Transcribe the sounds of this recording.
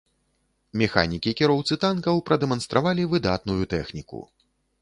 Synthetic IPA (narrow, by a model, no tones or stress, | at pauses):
mʲɛxa̰nʲikʲikʲɛɾɔwt̪sɨt̪ankɐwpɾɐd̪ɛmɐn̪st̪ɾʔavalʲivɨd̪at̪nujut̪ɛxnʲikṵ